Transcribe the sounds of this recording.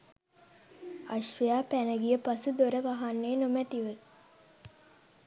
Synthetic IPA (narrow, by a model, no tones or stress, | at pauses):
aʃʋəjaːpænəɡijəpasud̪oɾəʋaɦanːeːnomæʈiʋə